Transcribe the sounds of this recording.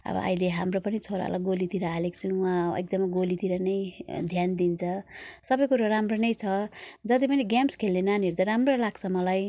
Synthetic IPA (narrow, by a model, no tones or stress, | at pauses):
ʌ̰bʌ̰ʔʌ̰jleɦamropʌnit͡sʰoɾa̰a̰laɡolit̪iɾʌalekt͡sʰuwãḛk̚d̪ʌmɡolit̪iɾʌnʌjd̪ʱjand̪int͡sʰʌsʌbʌjkuɾaɾamronʌjt͡sʰʌd͡zʌt̪̬ipʌniɡjamskʰelnenaniɾd̪ʌɾamrolaɡt͡sʰʌmʌlaj